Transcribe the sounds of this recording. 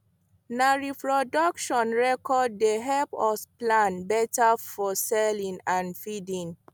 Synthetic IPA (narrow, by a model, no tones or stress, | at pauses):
naɹipɹɔdɔkʃɔ̃nɹɛkɔd̚ːeɦɛpɔsplãnbɛtafɔsɛlĩŋãnfidĩŋ